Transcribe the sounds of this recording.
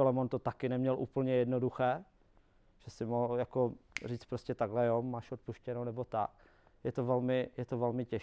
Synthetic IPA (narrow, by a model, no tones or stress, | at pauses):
ɛlɛmont̪o̞t̪akɪnɛmɲɛlʔṵːpl̩ɲɛjɛdnoduxɛː | ʒ̥ɛsɪmoɦljakor̝iːt͡spɾoscɛt̪aɡɦlɛjomaːʃot̪̚puʃcɛnownɛbo̞t̪ak̚ | jɛt̪ovɛlmɪjɛt̪ovɛlmɪcɛʃ